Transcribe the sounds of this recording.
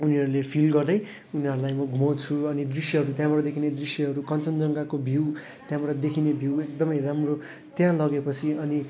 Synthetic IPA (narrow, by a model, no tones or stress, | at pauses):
uniɦʌɾulepʰilɡʌrd̪ʌj | uniɦʌɾulajmʌɡʱumat͡sʰuʌnid̪risjʌɦʌɾut̪jãbʌɽʌd̪ekʰined̪risjʌɦʌɾukʌnt͡sʌnd͡zʌŋɡakobʱiw | t̪jãbʌɾʌd̪ekʰinebʱiwek̚d̪ʌmʌjramro | t̪jãlʌɡepʌt͡sʰiʌni